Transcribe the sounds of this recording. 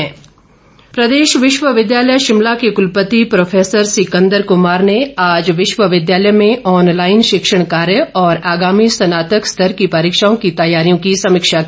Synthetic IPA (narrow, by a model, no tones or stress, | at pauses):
ɛ̃ː | pɾɐd̪eːʃʋɪʃʋəʋɪd̪jaːləjʃɪmlakekʊlpət̪ipɾoːfʰeːsəɾsɪkə̃nd̪əɾkʊmaːɾneaːd͡ʒʋɪʃʋəʋɪd̪jaːləjmẽɔːnlaːɪnʃɪkʃəɽ̃kaːɾjəɔːɾaːɡaːmisɐnaːt̪əkst̪ʰəɾkipaɾiːkʃaːõkit̪ɐjaːɾijõkisɐmɪkʃak